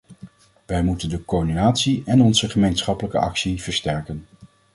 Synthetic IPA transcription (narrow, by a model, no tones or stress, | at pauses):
ʋɛjmutəndəkoɹdinaːtsiɛnɔnzəχəmejnsχɑpələkəʔɑ̰ksiv̥əɹstɛɹkən